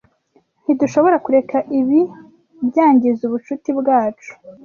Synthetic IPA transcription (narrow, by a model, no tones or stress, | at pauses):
n̥hiduʃo̞βo̞ɾakuɾe̞kʰaʔiβi | bɟaːɲɟizuβut͡ʃutibɡaːt͡ʃu̥